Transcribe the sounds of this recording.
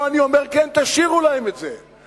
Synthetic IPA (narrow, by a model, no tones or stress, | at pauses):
anio̞meʁkent̪aʃiʁulaemet̪ze